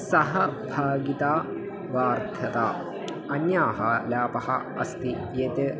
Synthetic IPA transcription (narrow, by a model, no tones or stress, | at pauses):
sɐɦɐbʱaːɡit̪aː | ʋaːɾd̪ʰʱɐt̪aː | ɐnjaːɦɐlaːpɐhɐ̰ | ɐ̰st̪i | jeːt̪e